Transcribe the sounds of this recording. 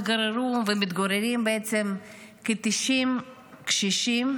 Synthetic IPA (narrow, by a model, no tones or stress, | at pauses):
ɡaɾeɾuvemit̪ɡaɾeɾimbeet͡sem | ket̪iʃim | kʃiʃim